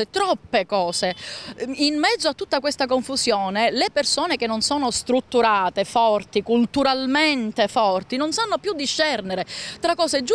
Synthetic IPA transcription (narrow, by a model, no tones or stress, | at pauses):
et̪ɾɔpːekɔːse | inmɛd̪zːoat̪ːut̪ːakwest̪ak̬oɱfusjoːnelepersoːnekenːonsoːnost̪ɾut̪ːuɾaːt̪efɔrt̪ikult̪uɾalment̪efɔrt̪inonsanːopjud̪ːiʃːɛrneɾet̪ɾakːɔːsed͡ʒ